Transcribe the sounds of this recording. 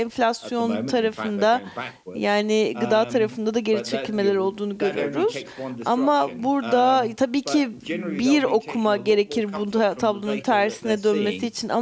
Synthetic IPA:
ɛnflʲasjo̞nt̪ʰaɾafɯnd̪ajaːnɪɡɯd̪aːt̪ʰaɾafɯnd̪ad̪aɟe̞ɾit͡ʃʰe̞cʰilʲme̞lʲæɾo̞lˠd̪uːnuɟø̞ɾy̰jo̞ɾuz̥a̰mabuɾd̪at̪ʰabiːcʰibiɾo̞kʰumaɟe̞ɾe̞cʰiɾbut̪ʰablˠonunt̪ʰæɾːisinɛd̪ønme̞siːt͡ʃʰinʔa̰

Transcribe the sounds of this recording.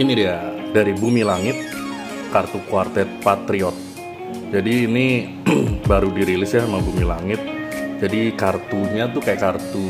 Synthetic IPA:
inidijadaɾibumilaŋɪt̪̚ | kart̪ukuart̪ɛt̪̚pat̪ɾiɔt̪̚ | d͡ʒadiːni | baɾudiɾilɪsjamaŋbumilaŋɪt̪̚d͡ʒadikart̪uɲat̪ukajakart̪u

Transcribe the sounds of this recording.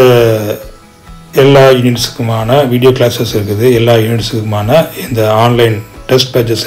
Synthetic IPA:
ɐ | ɛlːaːɪnɪnsɯ̥kːɯmaːnɐʋiːɽɪjoːklaːsɐsɪɾɯkːɯðɯɛlːaːɪnɪnsɯkːɯmaːnɐɪnd̪ɐaːnlɐɪnʈɛsʈ̚pɐd͡ʒɐs

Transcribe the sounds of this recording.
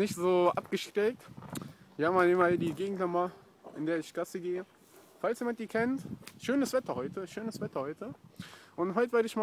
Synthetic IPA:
nɪçtz̥oːʔa̰pɡ̥əʃtʁ̥ɛk̚tv̥ihamaːlɪːmadiːɡeːɡŋ̩tnama | ʔɪndeːɐɪçɡ̥asəɡeːə | falsjeːmant̚d̥iːkʰɛntʃøːnəsv̥ɛtɐhɔʏtʰəʃøːnəsv̥ɛtɐhɔʏtʰəʔʊntɦɔʏtəveːɐɾəɪçma

